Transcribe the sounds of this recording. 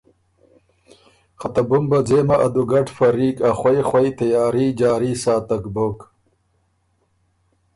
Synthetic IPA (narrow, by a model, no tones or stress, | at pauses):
qɐt̪ɐbumbɐd͡zeːmɐʔɐd̪uɡɐʈfɐɾiːkaxwɐjxwɐjt̪ɐjaːɾiːd͡ʒaːɾisaːt̪ɐkbok